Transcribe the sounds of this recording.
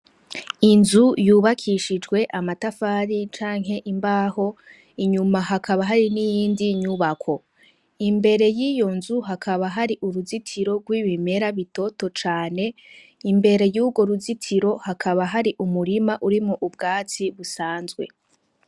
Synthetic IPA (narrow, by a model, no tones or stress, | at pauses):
inzujuːβakʰiʃid͡ʒɡwe̞ʔamatafaːɾit͡ʃaːŋɦe̞ʔimbaːho̞ | iɲumaɦakaβaɦaɾinijiːndiɲuβakʰo̞ | imbe̞ɾe̞jijo̞nzuɦakʰaβaɦaɾiʔuɾuzitʰiɾo̞ɡwiːβime̞ɾaβito̞to̞t͡ʃaːne̞ | imbe̞ɾe̞juːɡo̞ɾuzitʰiɾo̞hakʰaβaɦaɾiʔumuɾimaʔuɾimoʔub̚ɡaːt͡siβusaːnzɡwe̞̰